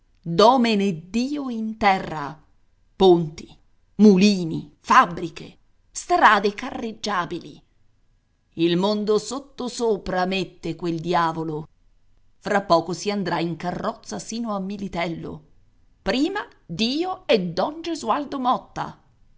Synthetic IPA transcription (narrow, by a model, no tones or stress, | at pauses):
d̪ɔːmened̪iːoint̪ɛrːa̰ | pont̪i̥ | muliːnḭfabːɾikḛ | st̪ɾaːd̪ekarːed͡ʒːaːbilḭ | ilmond̪osot̪ːosoːpɾamet̪ːekweld̪jaːvolo | fɾapːɔːkosiand̪ɾaiŋkarːɔt̪sːasiːnoamːilit̪ɛlːo̰ | pɾiːmad̪iːoɛd̪ːɔnd͡ʒezuald̪omɔt̪ːa̰